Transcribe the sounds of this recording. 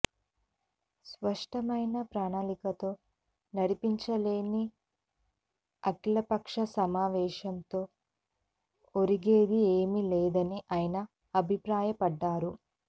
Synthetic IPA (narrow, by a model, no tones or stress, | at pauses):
spɐʂʈɐmɐjnɐpɾaːɳaːlikɐt̪o̞ː | nɐɽipiɲt͡ʃɐleːni | ɐkilɐpɐkʂɐsɐmaːʋɛːʃɐnt̪o̞ː | oɾiɡeːd̪ieːmilɛːd̪ɐniʔaːjɐnɐ | ɐbʱipɾaːjɐpɐɖːaːɾu